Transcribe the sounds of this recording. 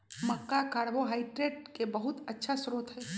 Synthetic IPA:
mɐkːakaːɽboɦaːɪʈɾeːʈ̚kebɐɦʊt̪ɐtːʃʰasɾuːt̪ɦɛː

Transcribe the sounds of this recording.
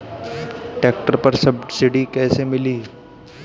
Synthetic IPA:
ʈeːk̚ʈəɾpɐɾsɐbsɪɖikɛːsemɪliː

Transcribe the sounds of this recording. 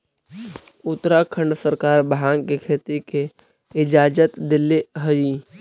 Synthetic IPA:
ʊt̪ːɾakʰə̃ɳɖsəɾkaːɾbɦaːŋkekʰeːt̪ike | ɪd͡ʒaːd͡ʒət̪d̪ɪlːiɦəɾiː

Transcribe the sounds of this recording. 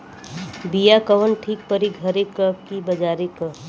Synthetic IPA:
bijakəʋənʈʰiːk̚pəɾiɡɡʱəɾekəp̚kibɐd͡ʒaːɾikə

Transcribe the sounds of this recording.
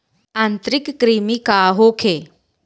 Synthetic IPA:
ãnt̪ɾɪkːɾiːmikaːɦokʰe

